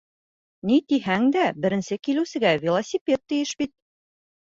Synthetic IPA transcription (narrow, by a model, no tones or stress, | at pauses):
nit̪iɦæŋd̪æbɘ̆ɾɘ̆nsɘkilɘ̆wsɘ̆ɡævʲɪlˠɐsʲipʲet̪ːɘ̆jɘʃbit̪̚